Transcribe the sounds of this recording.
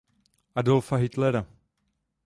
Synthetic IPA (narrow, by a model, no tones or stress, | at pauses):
ʔadolfaɦɪt̪lɛɾa